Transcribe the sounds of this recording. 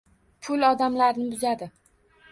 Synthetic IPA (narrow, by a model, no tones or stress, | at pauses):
pʰʊlɒd̪amlaɾnɪbʊzad̪ɪ